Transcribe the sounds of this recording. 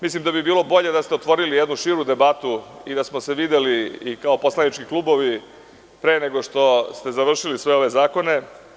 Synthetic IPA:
mislimd̪abibiːlˠo̞bo̞ʎe̞d̪ast̪eot̪ʋo̞ɾilijed̪nuʃiːɾud̪e̞bat̪uid̪asmose̞ʋid̪eliːkaopo̞slanit͡ʃkikluːbo̞ʋi | pɾeːneɡo̞ʂt̪o̞st̪e̞zaʋr̩ʃilisʋe̞o̞ʋe̞zaːko̞ne̞

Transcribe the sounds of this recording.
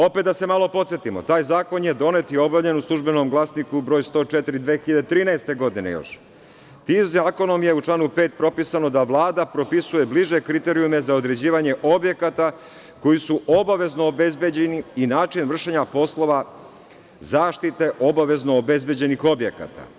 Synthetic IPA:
o̞pet̪d̪ase̞malˠo̞po̞t̪sjet̪imo̞̰t̪aːjzaːko̞nje̞d̪o̞ne̞t̪io̞bavʎe̞nuslˠuʒbeno̞mɡlˠasnikubɾojst̪o̞ːt͡ʃet̪iɾid̪ʋeːxiʎad̪et̪ɾiːnaest̪e̞ɡo̞d̪inḛjo̰ʃ | t̪iːmzaːko̞no̞mje̞ut͡ʃlˠaːnupe̞ːt̪̚pɾo̞pisano̞d̪aʋlˠaːd̪apɾo̞pisuje̞bliʒe̞kɾit̪e̞ɾiume̞zaod̪ɾe̞d͡ʑiːʋaɲe̞ʔo̞bje̞kat̪a | ko̞jisuʔo̞baʋe̞znoːbezbed͡ʑeniinaːt͡ʃinʋr̩ʃeɲapo̞slˠo̞ʋa | zaːʃt̪it̪e̞ʔo̞baʋe̞znoːbe̞zbe̞d͡ʑe̞nixo̞bje̞ka̰t̪a̰

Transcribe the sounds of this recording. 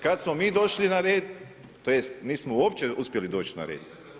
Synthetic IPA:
kad̪smomiːd̪o̞ʃlinaɾeːd̪ | t̪ːoːjest̪niːsmouoːpt͡ɕeuspʲje̞lid̪o̞ːt͡ʃna̰ɾḛːd̪

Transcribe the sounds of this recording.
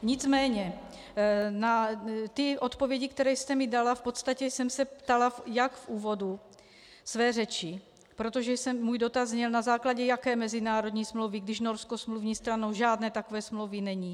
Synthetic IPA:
ɲɪt͡smɛːɲɛ | nat̪ɪʔo̞t̪po̞vjɛɟɪkt̪ɛɾɛːjst̪ɛmɪdalafpo̞t̪st̪acɛsɛmsɛpt̪alafjakfʔuːvo̞du | svɛːrɛt͡ʃɪ | pɾo̞t̪o̞ʒɛjsɛmːuːjdo̞t̪azɲɛlnazaːklaɟɛjakɛːmɛzɪnaːɾo̞d̪ɲiːsmlowviɡdɪʃno̞ɾskosmluvɲiːst̪ɾanowʒaːdnɛːt̪akovɛːsmlowvinɛɲi

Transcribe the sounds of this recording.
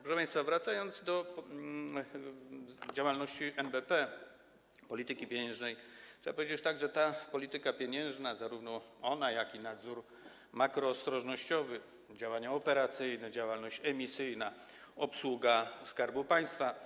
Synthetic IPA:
pɾɔʂɛpãjst̪favɾat̪sajɔnd̪zd̪ɔ | d͡ʑawalnɔɕt͡ɕiʔɛmbɛpɛ | pɔlʲit̪ɘkʲipʲjeɲɛ̃ʐnɛjt͡ʂʂɛbapɔvʲjed͡ʑɛt͡ɕt̪aɡʐɛt̪apɔlʲit̪ɘkapʲjeɲɛ̃w̃ʐnazaɾuvnɔɔnajakinad̪zuɾ | makɾɔːst̪ɾɔʐnɔɕt͡ɕɔvɘ | d͡ʑawaɲaɔpɛɾat̪sɘjnɛd͡ʑawalnɔɕt͡ɕɛmʲisɘjna | ɔpswuɡaskaɾbupaj̃st̪fa

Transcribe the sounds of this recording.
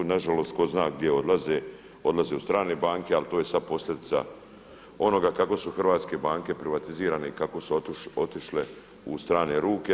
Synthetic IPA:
naʒalo̞ːst̪ko̞znaːɡ̚d̪je̞o̞d̪laze | o̞d̪lazeːust̪ɾaːne̞ːbaːŋke̞alt̪oːje̞sad̪̚po̞sʎʲed̪it̪sa̰ | o̞no̞ɡakako̞suxrʋaːt̪ske̞baːŋke̞pɾiʋat̪iziːɾaːne̞ikako̞suot̪iʃle | ust̪ɾaːne̞ɾuːke

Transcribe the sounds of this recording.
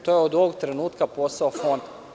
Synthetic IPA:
t̪ojeod̪oʋoɡt̪ɾenuːt̪kapo̞saofo̞nd̪

